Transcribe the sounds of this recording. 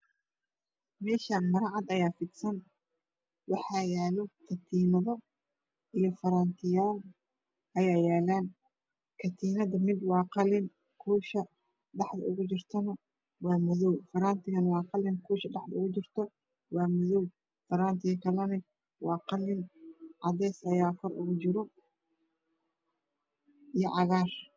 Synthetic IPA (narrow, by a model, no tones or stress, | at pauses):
mɛːʃaːnmɐɾɑʕɑd̪ɐjaːfɪd̪sɐn | wɑħɑːjaːlɔkʰɐt̪ʰiːnɐðɔ | ʔijɞfɐɾaːnt̪ʰɪjaːl | ʔɐjaːjaːlaːn | kʰɐt̪ʰiːnɐd̪ɐmɪd̪wɑːqɑlɪn | kʰuːʃɐ | ɖɑħd̪ɐ̰ʊɣʊt͡ʃɪrt̪ʰɐnɐ | wɑːmʊðuwfɐɾaːnt̪ʰɪɣɐnwɑːqɑlɪŋkʰuːʃɐɖɑħd̪ɐʊɣʊt͡ʃɪrt̪ʰɔ | wɑːmʊðuw | fɐɾaːnt̪ʰɪɣɐkʰɐlɐnɪ | wɑːqɑlɪnʕɑdɛːsɐjaːkʰɔrʊɣʊt͡ʃɪɾɔ | ʔijɔʕɑɣaːr